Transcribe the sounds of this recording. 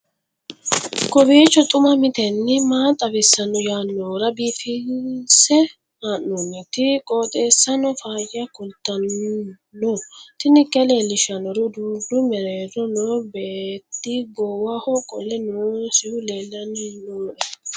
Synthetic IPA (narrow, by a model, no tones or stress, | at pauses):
kɔbiːt͡ʃːɔt̪ʼʊmɐmɪt̪ɛnːɪmaːt̪ʼɐbɪsːɐnɔjaːnːoːɾɐbiːfɪnnsɛ | haːnːɔmɪt̪ɪkʼoːt̪ʼe̞ːsːɐnɔfaːjɐkʊlt̪ːɐnː | ɔt̪ɪnɪkʼːɛleːlːɪʃɐnɔɾʊd̪uːdʊmɛɾeːɾɔnoːbeːt̪ːɪɡɔːwɐhɔkʼɔlːɛnosɪhʊleːlːɐnnoːʔɛ